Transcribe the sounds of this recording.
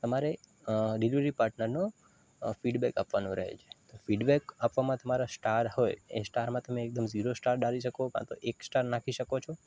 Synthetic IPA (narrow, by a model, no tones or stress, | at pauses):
t̪əmaɾeɖeliʋɾipaɾʈnəɾno | fiɖbɛka̰pʋanoɾəɦḛt͡ʃʰe̥t̪ofiɖbekapʋamãt̪əmaɾasʈaɾhojḛsʈaɾmãt̪əmẽːk̚d̪əmziɾosʈaɾɖaɾiʃəkokã̰t̪oʔeksʈaɾnakʰiʃəkot͡ʃʰo